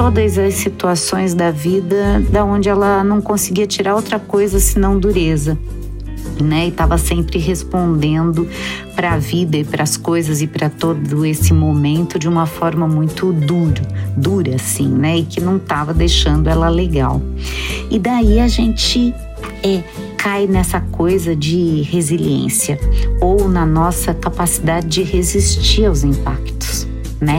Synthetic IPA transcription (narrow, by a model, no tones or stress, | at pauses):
t̪od̪ɐzɐsːit̪uasõj̃zd̪ɐvid̪ɐd̪ɐõnd͡ʒɪɛlɐnɐ̃w̃kõsɪɡiɐt͡ʃiɾaɾowt̪ɾɐkojzɐsɪnɐ̃w̃d̪uɾezɐ | nɛɪt̪avɐsẽmpɾɪɦespõnd̪ẽnd̪ʊpɾɐvid̪ɐɪpɾɐskojzɐzɪpɾɐt̪od̪ʊesɪmomẽnt̪ʊd͡ʒɪũmɐfɔɾmɐmũj̃t̪ʊd̪uɾɐd̪uɾɐːsḭ̃nɛɪkɪnɐ̃w̃t̪avɐd̪ejʃɐ̃nd̪ʊɛlɐleɡa̰w | ɪd̪aiaʒẽnt͡ʃɪ | ɛ | kʰajnɛsɐkojzɐd͡ʒɪheziliḛ̃siɐownɐnɔsɐkapasid̪ad͡ʒɪd͡ʒɪhezist͡ʃiɾawzĩmpakt̪ʊ̥s | nɛ